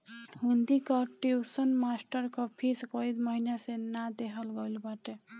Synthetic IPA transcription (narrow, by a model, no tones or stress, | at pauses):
ɦund̪ikɔʈiusənmasʈəɾkɔpʰiskɔid̪mɔɦinasenad̪eɦəlɡojlbaʈe